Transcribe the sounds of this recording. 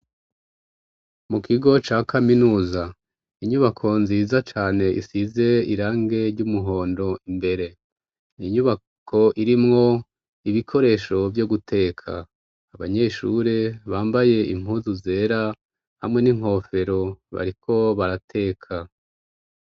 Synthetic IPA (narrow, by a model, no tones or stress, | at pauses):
mukʰiɡo̞t͡ʃaːkʰaminuːza | iɲuβakʰo̞nziːzat͡ʃaːne̞ʔḭsize̞iɾaːŋɡe̞ɾɟumuɦo̞ːndo̞imbe̞ɾe̞ | niɲuβa | kʰo̞ʔiɾimŋo̞ | iβikʰo̞ɾe̞ːʃo̞vjoɡutʰe̞ːkʰa̰ː | βaɲe̞ʃuːɾe̞βaːmbaje̞ʔim̥huːzuze̞ːɾa | ha̰mŋe̞niŋ̥ho̞ːfe̞ɾo̞βa̰ɾikʰo̞βaɾatʰe̞ːkʰa